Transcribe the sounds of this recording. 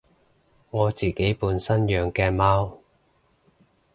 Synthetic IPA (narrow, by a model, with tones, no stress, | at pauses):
ŋɔː˨˧t͡siː˨ke˨˥jpuː˨˧nsɐ˥njœː˨ŋkɛː˧maː˥w